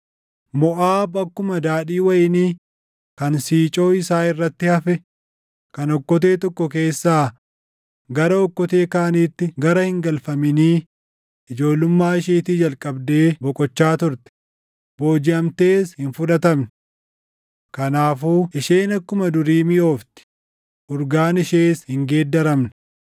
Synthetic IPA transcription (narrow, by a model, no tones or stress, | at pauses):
mɔʔaːbɐkːʊmɐd̪aːᶑiːwɐjɪniː | kɐnsiːt͡ʃʼo̞ːɪsaːɪrːɐt̪ːɪhɐfɛ | kɐnɔkːɔt̪̬e̞ːt̪ɔkːɔk̬e̞ːsːaː | ɡɐɾɐɔkːɔt̪e̞ːkaːniːt̪ːɪɡɐɾɐhɪŋɡɐlfɐmɪniː | ʔɪd͡ʒo̞ːlʊmːaːɪʃiːt̪id͡ʒɐlkʼɐbd̪eːbɔkʼɔt͡ʃːaːt̪ʊɾt̪ɪ̥ | bo̞ːd͡ʒɪɐmt̪e̞ːshɪnfʊᶑɐt̪ɐmnɪ̥ | kɐnaːfuːɪʃeːnɐkːʊmɐd̪ʊɾiːmɪʔo̞ːft̪ɪ̥ | ʔʊɾɡaːnɪʃeːshɪŋɡe̞ːd̪ːɐɾɐmnɛ̥